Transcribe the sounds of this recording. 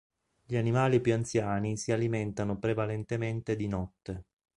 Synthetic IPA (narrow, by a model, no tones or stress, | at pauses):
ʎianimaːlipjuant̪sjaːnisialiment̪anopɾevalent̪ement̪ed̪inɔt̪ːe